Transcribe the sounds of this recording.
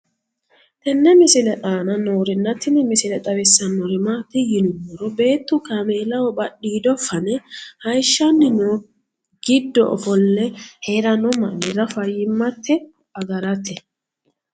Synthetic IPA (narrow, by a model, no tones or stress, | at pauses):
t̪ɛnːɛmɪsɪlɛʔaːnɐnoːɾɪnːɐt̪ːɪnɪmɪsɪlɛt̪ʼɐwɛsːɐnːɔɾɪmat̪ːɪjɪnʊmːɔɾɔbe̞ːt̪ːʊkameːlɐwɔbɐɗiːd̪ɔfːɐnɛhɐjʃːanːɪno | ɡ̥ɪd̪ːɔʔɔ̰fɔlːɛheːɾɐnɔmɐ̰nɛɾɐfɐjɪmːɐt̪ːɛ | ɐɡɐɾɐt̪ɛ